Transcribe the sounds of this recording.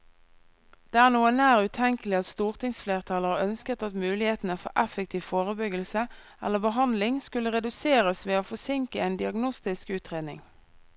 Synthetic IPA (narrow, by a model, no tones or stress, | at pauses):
d̪̥eːæːʁnuːənæːʁʉːt̪ʰɛŋkəlɪɑt̪st̪uːʁt̪ʰɪŋsfleːʁt̪ʰɑləʁœnskət̪ɑt̪mʉːlɪheːt̪n̩əfɔ̰ʔɛfəkt̪ʰiːʋfoːʁəbʏɡəlsə | ɛ̰ləbəɦɑnd̪lɪŋskʉləʁɛd̪ʉseːʁəsʋeːoːfɔsɪŋkəeːnd̪ɪɑɡnʊst̪ɪskʉːt̪ʁeːd̪nɪ̰ŋ